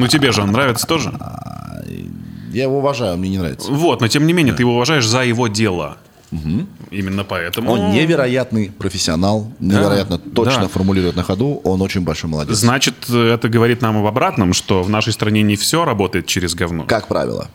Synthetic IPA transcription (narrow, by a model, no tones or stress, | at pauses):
nutʲɪbʲeʐɨo̞nːɾavʲɪt̪sə̥t̪o̞ʐɨ̰a̰ | jajɪvoʊvɐʐajʊonmnʲenʲɪnɾa̰vʲɪt̪əvo̞t̪no̞tʲemnʲɪmʲenʲɪjət̪ɨjɪvoʊvɐʐajɪʂzəjɪvo̞dʲe̞lˠə̰ | m̩ɦm̩imʲɪnːəpɐɛt̪əmonnʲɪvʲɪɾɐjat̪nɨjpɾəfʲɪsʲːɪɐnalˠnʲɪvʲɪɾɐjat̪nət̪d̪o̞d̪t͡ɕanəfərmʊlʲiɾʊjɪt̪nəxɐd̪uo̞no̞t͡ɕɪnʲbɐlʲʃʂo̞jməlˠɐ̰dʲznat͡ɕɪt̪ɛt̪əɡəvɐɾʲit̪namvɐbɾat̪nəmʂt̪o̞vnaʂəjst̪ɾɐnʲenʲɪfsʲo̞ɾɐbo̞t̪əɪt̪̚t͡ɕɪɾʲɪzɡɐvnṵkakpɾa̰vʲɪ̰lˠə̰